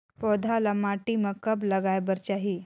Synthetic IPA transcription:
pɔd̪ʱalamaʈiməkəbləɡajbəɾt͡ɕaɦi

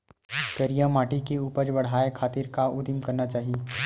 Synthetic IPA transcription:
kɐɾijãmaːʈikeuːpəɾd͡ʒbɐɽ̤aːekʰaːt̪ɪɾkaʊd̪ɪmkɐɾnat͡ʃaːɦieː

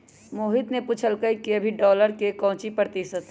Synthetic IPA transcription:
moːɦɪt̪neput͡ʃʰəlkəikiəbʱiɖɔːləɾkekɔ̃ɦʊ̃t͡ʃipɾət̪isət̪

